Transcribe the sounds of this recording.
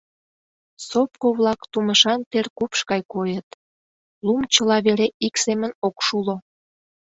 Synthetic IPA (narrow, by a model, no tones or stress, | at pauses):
sop̚koβlɑkt̪uməʃɑnt̪erkupʃkɑjkojət̪ | lumt͡ɕəlɑβeɾeʔiksemənokʃulo